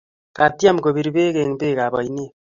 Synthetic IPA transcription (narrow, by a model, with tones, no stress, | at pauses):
ka˨t̪i˦a˦m˨ko˨βi˨ɾi˨βe˦ke˨ŋbe˦˨ka˨βa˨ine˦